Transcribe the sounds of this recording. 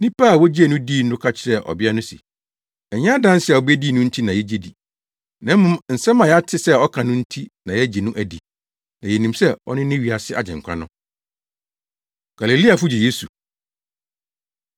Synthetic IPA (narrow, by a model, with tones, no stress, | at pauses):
nɪ̃˦pʰaː˦˨wɔ˦d͡ʑi˦æ˨nʊ̃˦diː˦˨n̩˦dʊ˦kʰa˦t͡ɕʰɪ˦ɾɛ˨ʔɔ̰˨bɪ˦a˦nʊ̃˦sḭ˨ | ɛ˨ɲã˦dã˦n˦sɪ˦˨ɛ˨ɔ˨bæ˦diː˦nʊ̃˦n̩˦tʰi˦nã˨jɛ˦d͡ʑe˦˨di˨ | nã˦mmːʊ̃˦mn̩˨sɛ˦mã˨jɛ˦a˦tʰɪ˦sɛ˦˨ɔ˦kʰã˨nʊ̃˦n̩˦tʰi˦nã˨jɛ˦d͡ʑɛ˨nũ˦ʔæ˨di˨ | nã˨jɛ˨nĩ˨msɛ˦ɔ̰˦nɪ̃˦nɪ̃˦ɥi˨a˨sɪ˦ʔa˨d͡ʑɛ̃˨ŋ˨kʷʰã̰˦nʊ̃˦ | ɡ̥a˨le˨li˦a˨fʊ˦d͡ʑɛ˨je˦su˨